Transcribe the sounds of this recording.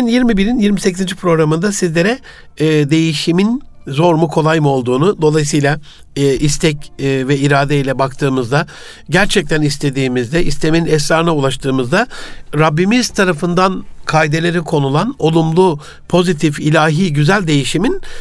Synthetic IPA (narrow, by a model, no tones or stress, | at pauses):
njiɾmibiɾinjiɾmisecʰizind͡ʒipʰɾo̞ɡɾamɯnd̪asizlʲe̞ɾɛ | d̪e̞jiʃimin | zo̞ɾmukʰo̞lˠajmɯo̞lˠd̪uːnud̪o̞lˠajs̬ɯjlʲˠaː | ist̪ʰɛcːvɛiɾaːd̪eilʲɛbakt̪ʰɯːmɯzd̪a | ɟæɾt͡ʃʰɛc̚t̪ʰænist̪ʰe̞d̪iːmizd̪ɛʔist̪ʰe̞meninɛsɾaːɾɯnaulˠaʃt̪ʰɯːmɯzd̪aɾabːimizt̪ʰaɾafɯnd̪ankʰaːjd̪e̞lʲe̞ɾikʰo̞nulˠano̞lˠumlˠu | pʰo̞zit̪ʰifilʲaːɦiːɟyzælʲd̪e̞jiʃimin